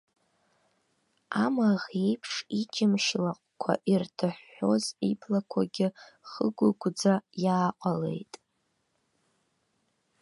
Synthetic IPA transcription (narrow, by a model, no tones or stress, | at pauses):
amaʁe̞jpʰʂit͡ʃʰʼɪmʃlaqʷʼkʷʰa̰ʔirtʰaħːo̞zipʰlakʷʰaɡʲɪχəɡʷʊɡʷd͡zajaːqʷʼale̞̰jtʼ